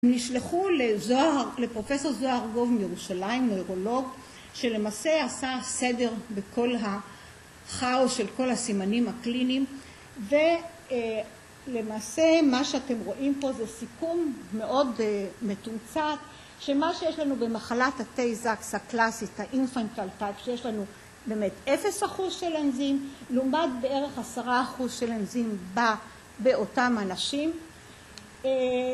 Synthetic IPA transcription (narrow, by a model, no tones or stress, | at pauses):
emniʃleχulezoalepʁo̞fe̞so̞ʁzoaʁɡo̞vmjeʁuʃalaimnojʁo̞lo̞ɡ | ʃe̞le̞maːse̞asasede̞ʁbeko̞lɦa | χaosʃe̞lko̞lhasimanimhaklinim | ve | lemaːse̞maʃeate̞mʁo̞ʔimpo̞zesikumːeʔo̞dme̞tumt͡sat | ʃemaʃejeʃlanube̞maχalathatejzakshaklasithaʔinfant̪altajpʃejeʃlanu | be̞metefe̞shaχuzʃelenzimlumad̚be̞e̞ʁe̞χasaʁaχuzʃelenzimba | be̞o̞tamanaʃim